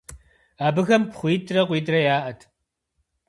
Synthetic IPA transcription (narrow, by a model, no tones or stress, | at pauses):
aːbɨɣɐmpχʷiːdrɐqʷiːdrɐjaːʔɐtʰ